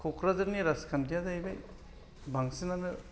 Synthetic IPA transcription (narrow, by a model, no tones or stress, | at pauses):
kʰokʰɾazaɾniɾaskʰantijazajbaj | baŋsinanɯ